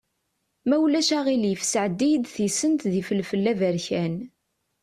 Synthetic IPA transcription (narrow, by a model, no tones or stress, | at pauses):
mæwlæʃæʁiljəfsəʕəd̪ːid̪θisənt̪ðifəlfəlːævəɾçæn